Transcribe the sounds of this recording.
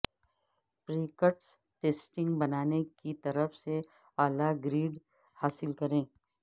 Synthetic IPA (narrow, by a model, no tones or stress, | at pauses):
pɾiːkəʈs | ʈeːsʈɪ̃ŋɡbɐnaːnekit̪ɐɾəfse | aːlaɡɾiːɖ | haːsɪlkɐɾẽː